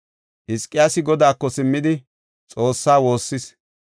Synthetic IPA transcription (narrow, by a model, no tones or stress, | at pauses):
ʔɪskʼːɪjaːsɪɡɔd̪aːkːɔsɪmːɪd̪ɪ | t͡sʼo̞ːsːaːwo̞ːsːɪs